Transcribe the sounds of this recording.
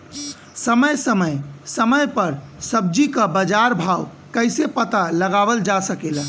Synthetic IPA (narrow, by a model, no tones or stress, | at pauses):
səməjsəməjsəməjpəɾsəb̚d͡ʒikəbəd͡ʒaɾbʱaw | kəɪsepət̪aləɡabəld͡ʒasəkelə